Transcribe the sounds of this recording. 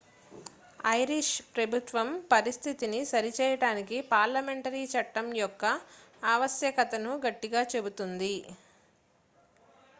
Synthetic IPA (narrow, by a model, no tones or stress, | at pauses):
ɐjɾiʂpɾɐbʱut̪ʋɐmpɐɾist̪ʰit̪inisɐɾit͡ʃɛːjɐɽaːnikipaːɾlɐme̞ɳʈɐɾit͡ʃɐʈːɐmjɔkːɐ | aːʋɐsjɐkɐt̪ɐnuɡɐʈːiɡaːt͡ʃe̞but̪und̪i